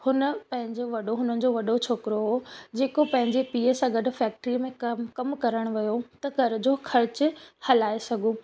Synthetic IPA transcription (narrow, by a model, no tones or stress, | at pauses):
hʊnəpɐ̃ɦɪ̃ɲd͡ʑoʋɐɗoɦʊnənɪ̆d͡ʑoʋɐɗot͡ɕʰoːkɪɾoɦoːd͡ʑeːkopɐ̃ɦɪ̃ɲd͡ʑepiːəsãɡɐɖʱʊ̆fɛːk̚ʈɾimẽkɐmkɐɾəɽ̃ʋɐjot̪ɐɡʱɐɾʊ̆d͡ʑoːxʰɐɾɪt͡ɕʊhɐlaːesɐɡʱũ